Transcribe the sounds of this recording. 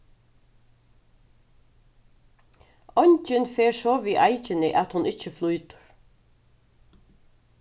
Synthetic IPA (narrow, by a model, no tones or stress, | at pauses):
ɔɲt͡ʃɪnfeːɹsɔːʋiːʔajt͡ʃɪnɪʔat̪hʊnɪt͡ʃːəflujt̪ʊ̥ɹ